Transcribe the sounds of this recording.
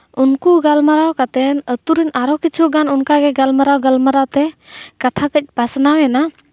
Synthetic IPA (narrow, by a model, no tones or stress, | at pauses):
unkuɡalmaɾawkat̪ɛnət̪uɾinaɾɔkit͡ʃʰuɡanunkaɡɛɡalmaɾawɡalmaɾawt̪ɛkat̪ʰakəc̚pasnawɛna